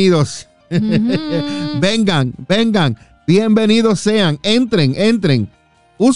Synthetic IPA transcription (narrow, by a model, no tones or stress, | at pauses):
iðos | beŋɡaŋbe̞ŋɡaŋ | bje̞mbe̞niðosːe̞aŋe̞nt̪ɾeŋʔẽ̞nt̪ɾeŋ | us